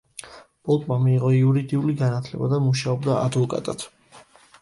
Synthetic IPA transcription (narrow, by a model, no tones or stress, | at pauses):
b̥ʼɔlˠt̪ʼmamiːʁɔiuɾid̪iuliɡanat̪ʰlɛ̰bad̪amuʃaɔbd̪aa̰d̪vɔkʼa̰t̪ʼat̪